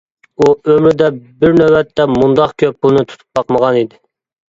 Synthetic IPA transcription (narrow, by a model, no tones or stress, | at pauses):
uømɾɪd̪ɛbɪɾnæwɛt̪ːɛmund̪ɑqkʲʰøp̚bunɨt̪ʰu̥t̪ʰu̥p̚bɑqməʁɑnid̪ɪ